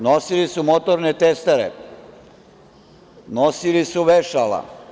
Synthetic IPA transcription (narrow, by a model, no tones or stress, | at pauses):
nosilisumot̪oɾnet̪est̪aɾḛ | nosilisuʋeʃala̰